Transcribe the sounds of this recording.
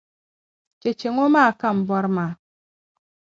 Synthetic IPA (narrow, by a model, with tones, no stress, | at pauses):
t͡ʃe˨t͡ʃe˨ŋo˦ma˦˨ka˦m̩˨bɔ˦ɾma˨